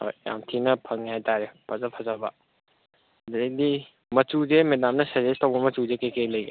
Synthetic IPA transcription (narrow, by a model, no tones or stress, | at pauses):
ho̰jja̰mtʰinɐpʰɐŋjajtaɾepʰɐzapʰɐzabɐ̰ | dedi | mɐtuzemedamnɐsɐzestɐwbɐmɐtuzekejkejlɐjɡe